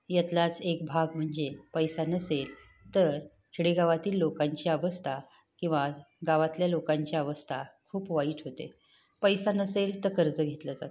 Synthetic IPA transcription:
jat̪lat͡sek̚bʱaɡm̤əɳd͡zepəjsanəsel | t̪əɾ | t͡ɕʰiɽeɡaʋat̪iːlːokaɲt͡ɕiəʋəst̪ʰa | kĩw̃ʋa | ɡaʋat̪ljalokãɲt͡ɕjaəʋəst̪ʰakʰuːpʋaiːʈʰɦot̪ḛ | pəjsanəselt̪əɾkəɾd͡zəɡʱet̪ləd͡zat̪

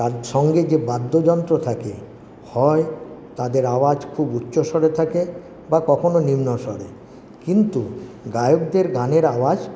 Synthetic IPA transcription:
t̪aʃɔŋɡed͡ʑebad̪ːod͡ʑɔnt̪ɾot̪ʰakḛ | hɔet̪ad̪eɾawad͡ʑkʰubutːɕoʃɔɾet̪ʰake | bakɔkʰononimnoʃɔɾḛ | kint̪u | ɡajok̚d̪eɾɡʱaneɾawad͡ʑ

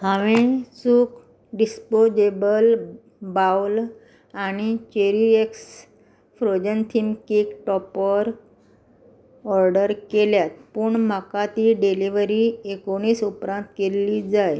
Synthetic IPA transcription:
ɦaʋesuːk | ɖispod͡ʑebəl | bawl | aɽ̃it͡ɕeɾieks | fɾod͡ʑənt̪ʰimkiːkʈɔpɔɾ | ɔɾɖəɾkeljat̪̚puːɳm̤akat̪iːɖeliʋəɾiekoɽ̃iːsupɾãnt̪keliːd͡zaj

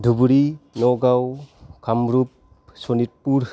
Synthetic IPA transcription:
dʱubuɾinoɡawkʰamɾup̚ | sonit̚puɾ

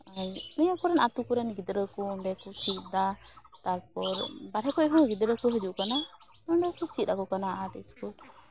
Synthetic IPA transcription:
aɲniɲakɔɾɛnat̪ukuɾɛnɡid̪ɾəkumbɛkut͡ʃit̪̚d̪at̪aɾpɔɾbaɾɦɛkɔʔɦɔ̃ɡid̪ɾəkuɦəd͡ʒuʔkana | mɔɳɖɔkut͡ʃit̪̚ɾakɔkanaʔat̪ɛskul

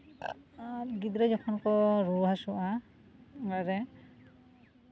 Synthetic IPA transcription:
aɡid̪ɾɛd͡ʒɔkʰɔnkɔɾuɦasuʔa | ɡaɾɛ

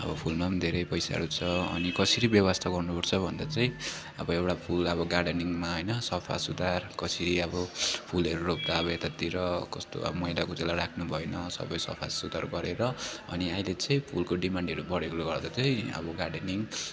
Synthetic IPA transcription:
ʌ̰bʌpʰulmad̪ʱeɾʌjpʌjsa̰ɦʌ̰ɾut͡sʰʌʌ̰nikʌsiɾibjʌwast̪ʰaɡʌrnupʌɾt͡sʰʌbʱʌnd̪at͡saĩ | ʌ̰bʌewʈapʰulʌbʌɡaɖeniŋmaɦʌjnʌsʌpʰa̰sud̪arkʌsiɾiʌbʌpʰulɦʌɾuɾop̚d̪aːbʌet̪at̪iɾʌkʌst̪o̰ʌ̰bʌmʌjlakot͡selaɾakʰnubʱʌenʌsʌ̰bʌjsʌ̰pʰa̰sud̪aɾɡʌɾeɾʌʌniailet͡sʌĩpʰulkoɖimaɳɖʌɾubʌɽekloɡʌrd̪at͡saĩʌ̰bʌɡaɖeniŋ

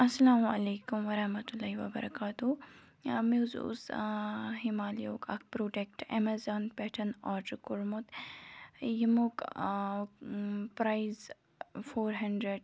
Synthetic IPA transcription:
ɐsːɐlaːmɐleːkʊmʋɐɾɐhmɐt̪ulːaːɦiʋɐbɐ̰ɾɐ̰kaːt̪u | mezṵs | ɦimaːljo̰ːkʰɐk̚pɾoːɖek̚ʈḛmazaːnpɛːʈʰɐnɔːʈkuɾmut̪ | jimuk | pɾaiz | foːɾɦɐɳɖɾeɖ

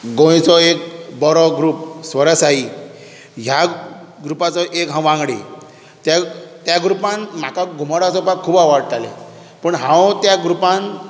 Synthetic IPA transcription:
ɡõjt͡sɔek̚bɔɾɔɡɾuːpsʋəɾasai | ɦjaɡɾupat͡sɔʔekɦãw̃ʋãŋɡɽe | t̪jat̪jaɡɾupãnm̤akaɡʱum̤aɽat͡sɔpakkʰːuːbaʋaɽt̪alḛ | pəɳɦãwt̪jaɡɾupãn

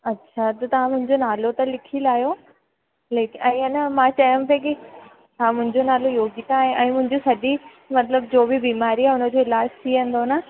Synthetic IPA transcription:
ɐtːɕʰat̪ɐt̪ɐʋ̤ãmʊ̃ɦɪ̃ɲd͡ʑonaːlot̪ɐlɪkʰilaːijo | leːkɛ̃ːanɐmãt͡ɕajə̃mt̪ʰeki | ɦãmʊ̃ɦɪ̃ɲd͡ʑonaːlojoːɡit̪ãːɦẽʔɛ̃ːmʊ̃ɦɪ̃ɲd͡ʑosɐɗi | mɐt̪ləbd͡ʑoːbibiːmaːɾiaːʊnə̆d͡ʑoːɪlaːd͡ʑt̪ʰiʋə̃n̆d̪ona

